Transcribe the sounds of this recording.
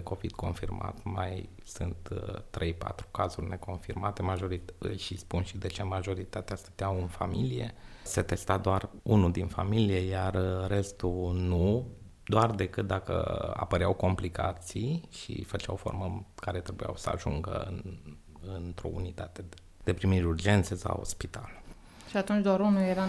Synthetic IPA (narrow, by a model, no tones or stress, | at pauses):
eko̞vid̪̥ko̞nfirma̰t̪maj | sɨnt̪ːɾʔe̞jpa̰t̪ɾu̥kazurʲne̞ko̞nfirmat̪e̞maʒo̞ɾiɨ̰ʃispunʃid̪e̞t͡ʃemaʒo̞ɾit̪at̪east̪ə̥t̪eawɨnfamilije̞̰set̪e̞st̪ad̪oarunud̪infamilijejarːe̞st̪unu | d̪oard̪e̞kɨt̪̚d̪akə̰a̰pəɾeawko̞mplika̰t̪sijʃḭfət͡ʃawfo̞̰rməkaɾe̞t̪ɾe̞buja̰wsəa̰ʒuŋɡə̰ɨ̰n | ɨnt̪ɾo̞̰ṵnit̪at̪e | d̪̥e̞pɾimiɾʲurd͡ʒe̞nt̪se̞sa̰wo̰spit̪a̰l | ʃiat̪unt͡ʃd̪oaɾunujeɾa